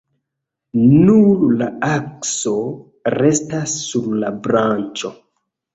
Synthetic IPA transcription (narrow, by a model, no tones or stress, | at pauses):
nullaakso | ɾe̞stasːuɾlabɾant͡ʃo̞